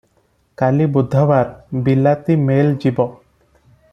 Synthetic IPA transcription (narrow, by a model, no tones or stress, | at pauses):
kalibud̪ʱːɔwaɾbilat̪imeld͡ʒibɔ